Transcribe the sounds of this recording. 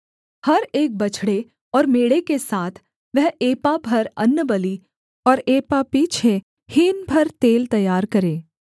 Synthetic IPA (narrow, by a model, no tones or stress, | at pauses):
hɐɾeːk̚bɐt͡ʃʰɽe | ɔːɾmeːɽekesaːt̪ʰ | ʋɛɦeːpabʱɐɾɐnːəbɐli | ɔːɾeːpapiːt͡ʃʰe | hiːnbʱɐɾt̪eːlt̪ɐjːaːɾkɐɾẽː